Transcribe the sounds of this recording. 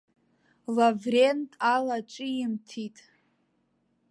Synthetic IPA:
lavrentʼalaʈ͡ʂʼɨimtʰitʼ

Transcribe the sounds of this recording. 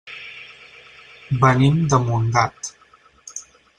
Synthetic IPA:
bənimd̪əmund̪at̪

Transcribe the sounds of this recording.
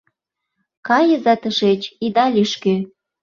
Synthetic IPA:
kɑjəzɑt̪əʃet͡ɕid̪ɑlʲiʃkø

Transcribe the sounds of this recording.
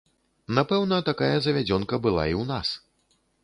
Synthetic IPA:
napɛwnɐt̪akajɐzɐvʲad͡zʲɔnkɐbɨlˠa̰iwnas

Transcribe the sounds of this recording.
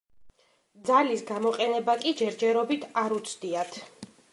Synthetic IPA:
d̪zalisɡamɔqʼɛnɛbakʼid͡ʒɛɾd͡ʒɛɾɔbit̪ʰaɾut̪sʰd̪iat̪ʰ

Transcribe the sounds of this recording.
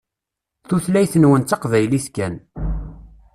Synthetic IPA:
θuθlæjθənwənt̪ːɑqvæjliθkæn

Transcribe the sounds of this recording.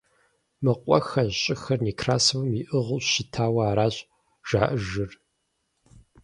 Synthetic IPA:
mɨqʷʼɔ̰xɐɕʼɪxɐrniːkʰraːsɨwɐmiʔɨʁʊʃɪtʰaːwɐaːɾaːɕʼ | ʒ̥a̰ːʔɨʒɨr

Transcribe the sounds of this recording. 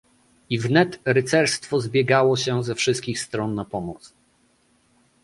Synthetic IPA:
ivnɛt̪ɾɘt̪sɛɾst̪fɔzbʲjɛɡawɔɕɛzɛfʂɘst̪kʲixst̪ɾɔnːapɔmɔt̪s

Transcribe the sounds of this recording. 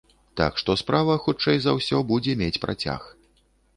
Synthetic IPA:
t̪a̰kʂt̪ɔspɾavɐxut͡ʂɛjzawsʲɔbud͡zʲɛmʲet͡sʲpɾa̰t͡sʲa̰x

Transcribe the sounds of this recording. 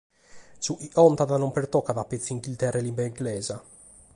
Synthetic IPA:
suʔiʔɔnt̪aðanompeɾt̪ɔkːaðapːet̪siiŋɡilt̪ɛrːelimbaiŋɡlɛːza

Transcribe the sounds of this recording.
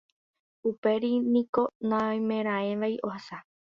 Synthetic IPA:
upe̞ɾinĩko̞nãjmẽ̞ɾ̃ãẽʋaiʔo̞hasa

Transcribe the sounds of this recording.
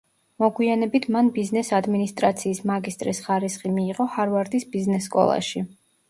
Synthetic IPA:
mɔɡwianɛbit̪ʰmanbiznɛsad̪minist̪ʼɾat̪sʰiːsmaɡist̪ʼɾisχaɾisχimiːʁɔhaɾvaɾd̪isbiznɛsːkʼɔ̰lˠa̰ʃi

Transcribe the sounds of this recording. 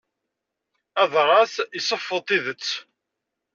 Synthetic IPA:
æðˤʁɑθisˤəfːəðˤt̪ˤiðət͡sː

